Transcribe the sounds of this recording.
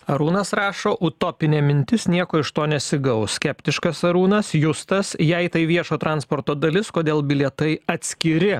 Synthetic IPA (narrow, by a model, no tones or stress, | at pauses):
ɐɾuːnɐsɾɑːʃoːʔʊt̪oːpʲɪnʲeːmʲɪnʲt̪ʲɪsnʲiɛkoːɪʃt̪oːnʲɛsʲɪɡɐʊssʲkʲɛpʲt̪ʲɪʃkɐsɐɾuːnɐsjʊst̪ɐsjɛɪt̪ɐɪʋʲiɛʃoːt̪ɾɑnspoːɾt̪oːd̪ɐlʲɪskoːd̪ʲeːlˠbʲɪlʲɛt̪ɐɪɐt̪ʲsʲkʲɪɾʲɪ